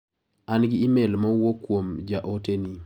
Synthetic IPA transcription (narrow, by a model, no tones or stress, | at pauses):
anɡɪːmelmawokːwomd͡ʒaʔoteni